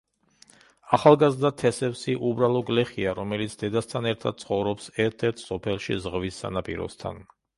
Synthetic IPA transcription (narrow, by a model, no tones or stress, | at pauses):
aχalˠɡazɾd̪at̪ʰɛsɛpsiʔubɾalˠɔɡlɛχiaɾɔmɛlit̪sʰd̪ɛd̪ast̪ʰanɛɾt̪ʰad̪̚t̪sʰχɔvɾɔpsɛɾt̪ʰɛɾt̪ʰsɔpʰɛlˠʃḭzʁvisːa̰napʼḭɾɔ̰st̪ʰa̰n